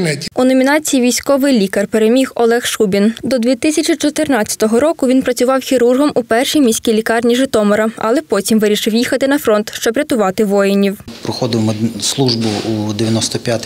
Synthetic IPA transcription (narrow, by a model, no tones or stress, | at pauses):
unɔmʲinɑt͡sʲijiʋʲijsʲkɔʋɪjlʲikɐrpeɾemʲixɔlˠɛxʃubʲind̪ɔd̪ʲʋʲit̪ɪsʲɐt͡ʃʲit͡ʃɔt̪ɪrnɑt͡st͡sʲːɐ̥t̪ɔɦɔɾɔkʊʋʲinpɾɐt͡sʲʊʋɑwxʲiɾurɦɔmupɛrʃijmʲisʲkʲilʲikɑrnʲiʒɪt̪ɔmɔɾɐɐ̰lˠɛpɔtʲimʋɪɾʲiʃɪwjixɐt̪ɪnɐfɾɔnt̪ʃt͡ʃɔbɾʲɐt̪ʊʋɑt̪ɪʋɔjenʲiwpɾɔxɔd̪ɪmɔslˠuʒbʊud̪ɪʋʲjɐnɔst̪ɔpʲjat̪ɪ